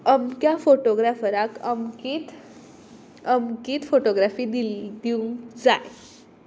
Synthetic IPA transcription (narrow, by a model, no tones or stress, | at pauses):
əmkjafoʈoɡɾafəɾakəmkit̪ | əmkiːt̪foʈoɡɾafiːd̪ild̪iũd͡za̰j